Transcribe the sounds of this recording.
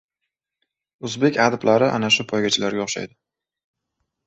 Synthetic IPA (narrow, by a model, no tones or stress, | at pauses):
ʊzbe̞kʲad̪ɪblaɾɪʔa̰naʃʊpʰɒjɡʲat͡ʃʰɪlaɾɡʲaoχʃa̰jd̪ɪ